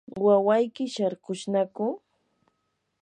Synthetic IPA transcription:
wawajkɪʃaɾɢʊʃnakʊ

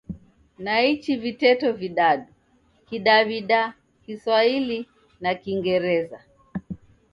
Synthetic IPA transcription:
nait͡ʃivitɛtɔviɗaɗu | kiɗaviɗa | kiswaili | nakiŋɡɛɾɛza

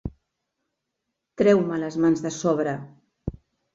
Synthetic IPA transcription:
t̪ɾɛwmələzmanzðəsɔβ̞ɾə

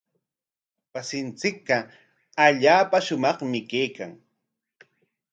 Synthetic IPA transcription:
wasɪnt͡sɪk̚ɢɑ | aʎaːpaʃʊmɑχmɪkejkaŋ

